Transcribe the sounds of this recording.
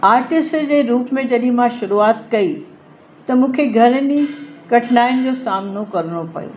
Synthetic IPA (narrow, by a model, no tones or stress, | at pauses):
aːɾʈɪsʈd͡ʑeːɾuːpmẽd͡ʑɐɗĩmãʃʊɾuaːt̪kɐi | t̪ɐmũːkʰeɡʱɐɾnikɐʈʰnaːɪnɪ̆d͡ʑoːsaːmnokɐɾɽ̃opɐ̰jo̰ː